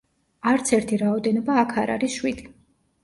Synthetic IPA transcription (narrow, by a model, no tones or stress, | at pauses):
aɾt̪sʰɛɾt̪ʰiɾaɔd̪ɛnɔbaːkʰaɾa̰ɾisʃwid̪̥i